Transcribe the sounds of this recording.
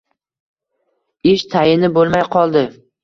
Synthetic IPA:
ɪʃt̪ʰajɪnɪbolˠmajqʰɒlˠd̪ɪ

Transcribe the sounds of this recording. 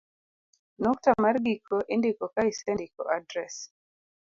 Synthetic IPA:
nɔk̚tamaɾɡikʰɔʔendikɔkaisɛndikɔ̰ʔadɾɛs

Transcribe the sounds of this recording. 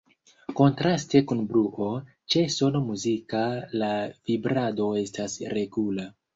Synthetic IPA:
ko̞ntɾaste̞kunbɾuʔo̞ | t͡ʃe̞so̞no̞muzikalavibɾado̞e̞stasɾe̞ɡula

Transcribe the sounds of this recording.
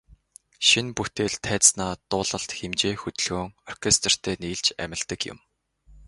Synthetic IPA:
ʃinput̪eːɮt̪ʰæːt͡ssnaːt̪ʊːɮə̆ɬt̪xemt͡ɕeːxɵt̪ɵ̆ɮɣoːŋɔrkʰest̪r̥t̪ʰeːniːɮt͡ɕæ̰mʲɪ̆ɮt̪ə̆kjʊ̰m

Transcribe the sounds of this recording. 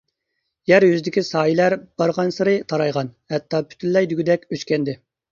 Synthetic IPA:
jæɾjyzd̪ɪkʲisɑːjilæɾb̥ɑɾʁɑnsɨɾɨt̪ʰɑɾɑjʁɑnhɛt̪ʰːɑːpʰy̥t̪ʰynlɛjd̪yɡʲid̪ɛkʲøt͡ʃkʲɛnd̪ɪ

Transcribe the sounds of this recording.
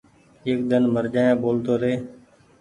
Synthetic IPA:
eːk̚d̪ənməɾd͡ʒaːjãːboːlt̪oːɾeː

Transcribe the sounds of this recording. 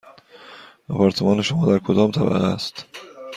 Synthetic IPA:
ʔɒpʰɒɾt̪ʰemɒːneʃomɒːd̪æɾkʰod̪ɒːmt̪ʰæbæ̰ɣest̪

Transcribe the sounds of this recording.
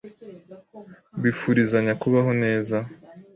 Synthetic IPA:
βifuɾizaɲakuβaɦo̞ne̞ːza

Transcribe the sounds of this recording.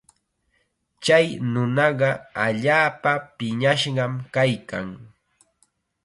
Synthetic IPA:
t͡ʃajnʊnɑɢɑaʎaːpapɪɲaʃɢɑmkajkaŋ

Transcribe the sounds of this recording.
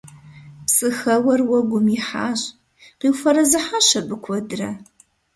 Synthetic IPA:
psʼɨxɐwɐrwɔɡʷʊmjɪħa̰ːɕʼ | qiːwfɐɾɐzɨħaːɕɐbɨkʷʰɔdɨrɐ

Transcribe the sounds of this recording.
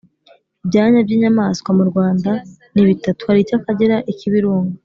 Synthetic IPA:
bɟaːɲabɟiːɲamaskwamuɾɡwaːnda | niβitatu̥haɾicakaɟeɾaʔiciβiɾuːŋɡa

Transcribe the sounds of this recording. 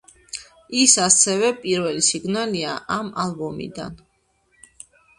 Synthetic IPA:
isasɛvɛpʼiɾvɛlisiɡnaliaʔamalˠbɔmḭd̪a̰n

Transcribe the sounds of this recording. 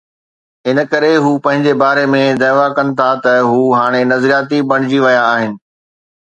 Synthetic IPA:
ɦɪnə̆kɐɾeɦuːpɐ̃ɦɪ̃ɲd͡ʑebaːɾemẽd̪aːʋakɐnɪ̆t̪ʰat̪ɐɦuːɦaːɽ̃enɐzɾijaːt̪ibɐɽ̃ɪd͡ʑiʋɐjaːɦɪnɪ̆

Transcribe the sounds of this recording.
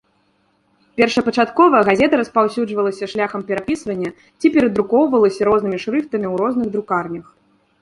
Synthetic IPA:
pʲɛrʂɐpɐt͡ʂat̪kɔvɐɣazʲɛt̪ɐɾɐspawsʲud͡ʐvɐlˠɐsʲɐʂlʲaxɐmpʲɛɾapʲisvɐnʲːɐ | t͡sʲipʲɛɾɐd̪ɾukɔwvɐlˠɐsʲɐɾɔznɨmʲiʂɾɨft̪ɐmʲiwɾɔznɨɣd̪ɾukarnʲɐx

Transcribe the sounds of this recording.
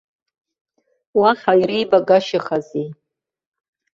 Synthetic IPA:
waχʲajribaɡaʃɪχazi

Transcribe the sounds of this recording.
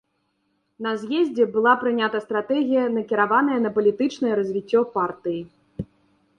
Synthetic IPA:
nɐzʲjɛzʲd͡zʲɛbɨlˠapɾɨnʲat̪ɐst̪ɾat̪ɛɣʲijɐnɐkʲiɾavanɐjɛnɐpɐlʲit̪ɨt͡ʂnɐjɛɾɐzʲvʲit͡sʲːɔpart̪ɨji

